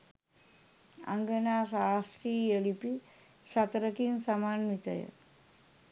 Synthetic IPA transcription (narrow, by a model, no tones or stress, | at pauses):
a̰ŋɡənasast̪ɾijəlipi | sat̪ɾəkinsamanʋit̪a̰jə̰